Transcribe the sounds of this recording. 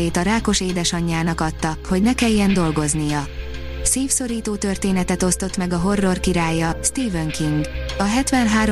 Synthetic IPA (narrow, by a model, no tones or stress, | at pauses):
eːt̪ɒɾaːko̞ʃeːd̪ɛʃɒɲːaːnɒkɒt̪ːɒho̞ɟnɛkɛjːɛnd̪o̞lɡo̞znijɒ | siːfso̞ɾiːt̪oːt̪ørt̪eːnɛt̪ɛt̪o̞st̪o̞t̪mɛɡɒɦo̞rːo̞rkiɾaːjːɒst̪iːvøŋkiŋɡɒɦɛt̪ʋɛnɦaːɾ